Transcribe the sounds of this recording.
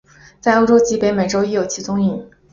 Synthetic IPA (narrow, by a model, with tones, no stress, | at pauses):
t͡sa˥˩ɪo˥ʊʈ͡ʂo˥ʊt͡ɕi˧˥pɪme˨˩ɪʈ͡ʂo˥ʊi˧˥jo˨˩ʊt͡ɕʰi˧˥t͡sʊ˥ŋi˥˩